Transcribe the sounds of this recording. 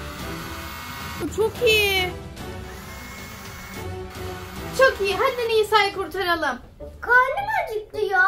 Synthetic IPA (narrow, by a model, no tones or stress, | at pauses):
but͡ʃʰokʰiji | t͡ʃʰokijiɦand̪enijisajkʰuɾt̪ʰaɾalˠɯm | kʰalʲimad͡ʒʰɯklˠɯjo